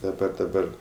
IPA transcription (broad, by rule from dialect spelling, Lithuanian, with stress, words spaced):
dɐˈbɐ dɐˈbɐr